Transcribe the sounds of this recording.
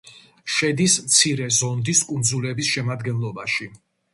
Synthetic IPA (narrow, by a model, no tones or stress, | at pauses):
ʃɛd̪ismt̪sʰiɾɛzɔnd̪iskʼund̪zulɛbisʃɛmad̪ɡɛnlˠɔbaʃi